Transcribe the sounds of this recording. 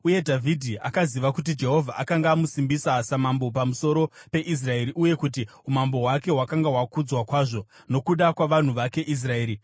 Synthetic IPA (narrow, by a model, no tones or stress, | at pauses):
uje̞dʱavʱidʱiʔakaziʋakut̬id͡ʒe̞ɦo̞vʱaʔakaŋɡaːmusimbisasamambo̞pamuso̞ɾo̞pe̞ʔis̬rae̞ɾiʔuje̞kut̬i | umambo̞ɦwake̞ɦwakaŋɡaɦwakud͡zwakwaːʐo̞ | no̞kuɗakwaʋan̤uʋake̞ʔis̬rae̞ːɾi